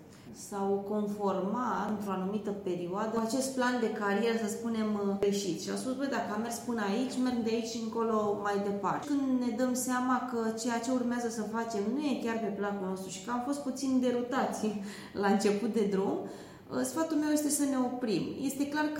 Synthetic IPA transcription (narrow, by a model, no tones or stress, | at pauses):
sawko̞nfo̞rmaɨnt̪ɾo̞anumit̪əpe̞ɾioad̪əat͡ʃe̞st̪̚pland̪e̞kaɾije̞ɾəsəspune̞mɡɾeʃit̪ʃia̰wspusbəjd̪akəame̞rspɨnait͡ʃʲme̞rɡd̪eait͡ʃʲɨŋko̞lo̞majd̪e̞partekɨnd̪ne̞d̪əmseamakət͡ʃe̞jat͡ʃe̞urmeazəsəfat͡ʃe̞mnuje̞kʲarpe̞plakulno̞st̪ɾuʃi̥kəamfo̞st̪̚put̪sind̪e̞ɾut̪at̪sʲ | laɨnt͡ʃe̞put̪̚d̪e̞d̪ɾum | sfat̪ulmewje̞s̬t̪e̞səne̞o̞pɾimje̞st̪e̞klark